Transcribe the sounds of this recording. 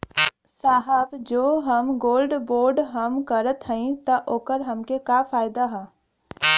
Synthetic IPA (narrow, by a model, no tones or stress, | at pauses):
saːɦəbd͡ʒoːɦɐmɡoːlɖboːɾɖɦɐmkɐɾət̪ɦəĩt̪ɐʔoːkəɾɦɐmkekafaːɪd̪aɦɛ̃ː